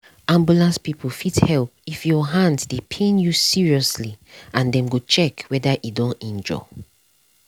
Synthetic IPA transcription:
ãmbjulãnspipʰlfithɛlpifjɔɦãndsdepʰẽnjusiɹiɔsliãndɛ̃mɡot͡ʃɛkwɛdaʔidɔ̃nɛ̃nd͡ʒɔ̰

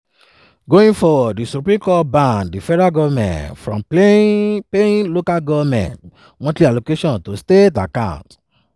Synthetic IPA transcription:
ɡoĩnfɔdisupɾĩkɔbãndifɛɾaɡɔvmɛ̰̃nfɾɔ̃mplepẽĩlokaɡɔvmɛ̰̃nt | wɔ̃tlialokeʃɔ̃ntosteta̰kã̰ʊ̃nt

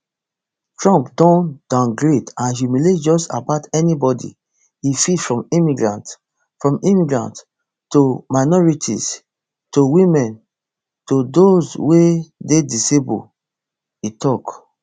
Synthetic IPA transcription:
tɹɔ̃mpdɔ̃nd̥ãnɡɹedãnhumiletd͡ʒɔsa̰baʊtɛnibɔdḭ | ifidfɹɔ̃mimiɡɹã̰nt | fɹɔ̃mĩmiɡɹã̰nt | tomanɔɹitʰḭs | towĩmɛ̃n | todozwededisebṵ | itɔk

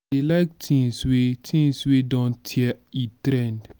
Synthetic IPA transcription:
elaɪk̚tʰĩŋswetʰĩŋswedɔ̃ntʰiɛitɾɛ̃nd

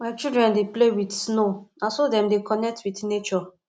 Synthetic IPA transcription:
maɪt͡ʃildɹɛ̃ndeplewidsnoãnsodɛ̃mdekɔnɛk̚twitnet͡ʃɔ

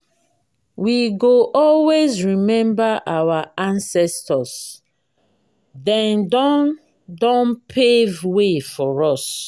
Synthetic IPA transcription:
wiɡoʔɔlwezɹimɛ̃mbaʔawaãnsɛstɔs | dɛ̃ndɔ | dɔ̃npʰevwefɔɹɔs

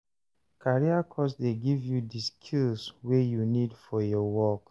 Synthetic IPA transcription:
kʰaɹiakʰɔsdeɡivjudiskʰilswejunidfɔjɔwɔk

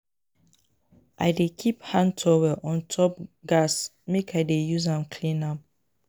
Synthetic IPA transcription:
ʔaɪdekʰiphãntʰɔwɛʔɔ̃ntʰɔp̚ɡas | mekaɪdejuzãmkʰlĩnãp̚

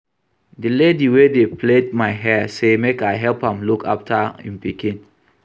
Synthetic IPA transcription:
dilediwedepled̚maɪɦɛsemekaɪɦɛlpãmlukʰa̰ftʰaḭ̃mpikĩn

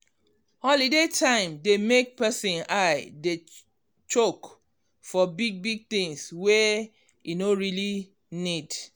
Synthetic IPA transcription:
hɔlidetʰãɪ̃mdemek̚pɛsĩnaɪde | t͡ʃok | fɔbiɡ̚biɡ̚t̪ĩŋswɛ | jinoɹili | nid

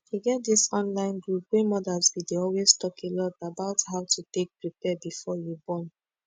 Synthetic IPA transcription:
deɡɛt̚disɔ̃nlãɪ̃nɡɹup̚wemɔdazbideɔlweztɔkʰelɔdabaʊthaʊtutek̚pɹipɛbifɔjubɔ̃n

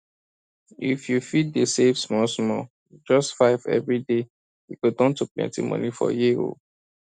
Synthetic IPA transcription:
ifjufid̚desevsmɔsmɔ | d͡ʒɔstfaɪvɛ̰vɹide | ikudɔ̃ntuplɛ̰̃ntḭmɔ̰̃nifɔ̰jio̰

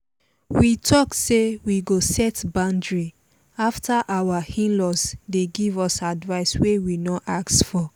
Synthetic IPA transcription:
witʰɔksewiɡosɛtbãndɹi | aftʰaʔawahĩnlɔsdeɡivɔsadvaɪswewinɔʔaksfɔ

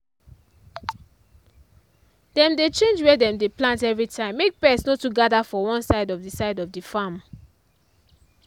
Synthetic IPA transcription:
dɛ̃mdet͡ʃẽnd͡ʒwɛdɛ̃mdeplãntɛvɹitʰãɪ̃mːek̚pɛsnotuɡadafɔwɔ̃nsaɪdɔvdisaɪdɔvdifam

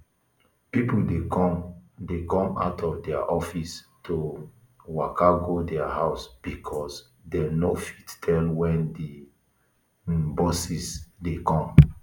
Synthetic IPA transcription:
pipulde | dekɔ̃ma̰ʊtʰɔfdɛa̰ʔɔfis | tʰo | wakaɡodɛaɦaʊsb̥ikʰɔs | dɛnofittʰɛlwɛ̃ndi | bɔsisdekɔ̃m

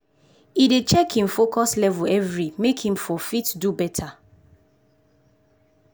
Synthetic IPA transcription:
idet͡ʃɛkhĩmfokɔslɛvuɛvɹimekhĩmfɔfitdubɛtʰa

